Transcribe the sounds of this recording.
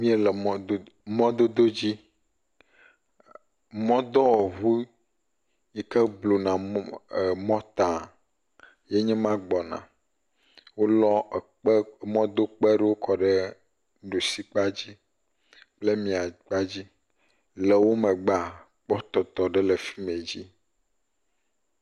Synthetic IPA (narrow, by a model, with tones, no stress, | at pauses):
mĩ˦ɛ˨lɛ˨m˦mɔ̃˦d̪o˦d̪o˦d͡ʑi˦ | mɔ̃˦d̪ɔ˦wɔ˨ɦu˦ | ɲi˨kɛ˦blo˨nã˨ | mɔ̃˦t̪ã˨ | jɛ˦ɲɛ̃˦mã˦ɡ͡bɔ˨nã̰˨ | wo˦lɔ˦˨˦ | mɔ̃˦d̪o˦k͡pɛ˦ɖe˦wo˦kʰɔ˨ɖɛ˦ | ɖo˨si˦k͡pa˦d͡ʑi˦ | k͡ple˦mĩ˨a˨ɡ͡ba˦d͡ʑi˦ | lɛ˨wo˦mɛ̃˨ɡ͡ba˨ | k͡pɔ˦t̪ɔ˨t̪ɔ˨ɖɛ˦lɛ˨fi̥˦mẽ˨d͡ʑi˦